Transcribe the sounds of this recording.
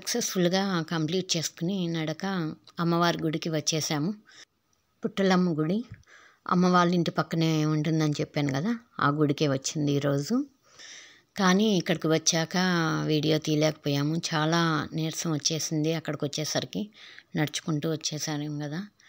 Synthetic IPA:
sɐksesfuluɡaːkɐmpliːʈ̚t͡ʃe̞ːskuninɐɽɐkɐɐmːɐʋaːɾiɡuɽikiʋɐt͡ʃːɛːsaːmu | puʈːɐlɐmːɐɡuɽi | ɐ̰mːɐʋaːɭːuiɳʈipɐkːɐne̞ːuɳʈund̪ɐnit͡ʃɛpːaːnukɐd̪aːa̰ːɡuɽikeːʋɐt͡ʃːind̪iːɾo̞ːd͡ʒu | kaːniikːɐɽɐkiʋɐt͡ʃːaːkɐʋiːɽijo̞ːt̪iːlɛːkɐ̥pɔːjaːmut͡ʃaːlaːneːɾsɐmʋɐt͡ʃːe̞ːsind̪iɐkːɐɽɐkʋɐt͡ʃːɛːsɐɾikinɐɽɐt͡ʃu̥kuɳʈuːʋɐt͡ʃːɛːsaːɾeːmukɐd̪aː

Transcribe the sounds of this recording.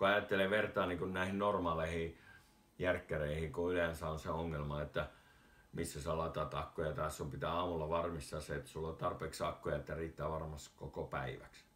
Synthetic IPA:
kuɑjɑt̪ːeleʋʋert̪ɑːniːŋkunnæˑihinnormɑːleihi | jærkːereihikuylensæonseoŋːelmɑet̪ːæ | misːæseɑlɑt̪ɑt̪ɑkːojɑt̪ɑˑissumpit̪æːɑːmulːɑʋɑrmist̪ɑːsseet̪ːæ̥sulːot̪ɑrpeːksɑkːojɑet̪ːæriːt̪ːæːʋɑrmɑst̪i̥kkokopæ̰iʋæ̰ks

